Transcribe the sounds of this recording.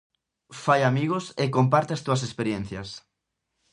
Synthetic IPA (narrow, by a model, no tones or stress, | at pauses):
fajamiɣʊsekompaɾt̪eɐst̪uɐsespeɾjen̟θjɐs